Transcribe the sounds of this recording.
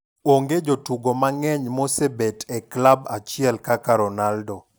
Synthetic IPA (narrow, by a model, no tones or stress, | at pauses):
oŋɡed͡ʒotuɡomaŋɛɲmosebetɛklabat͡ʃɪɛlkakaɾɔnaldɔ